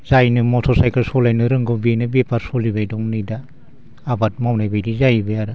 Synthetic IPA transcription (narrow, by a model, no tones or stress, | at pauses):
zajnɯmɔtʰɔsajkʰaɾsɔlajnɯɾɯŋɡɔbenɯbepaɾsolibajdɔŋnɯjda | abat̚mawnajbajdizajibajaɾɯ